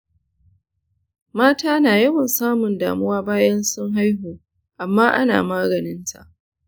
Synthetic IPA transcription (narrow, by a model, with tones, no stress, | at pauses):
maː˦taː˦naː˨jɐ˦wɐ˨nsaː˦mʊ˨nda̰ː˨mʊ˦waː˦baː˦jɐ˦nsʊ˦ŋɦa˦jɦoː˨ | ʔa˨mːaː˦ʔa̰˦na̰ː˨maː˦ɡɐ˨nɪ˦ntʰa̰˨ʔ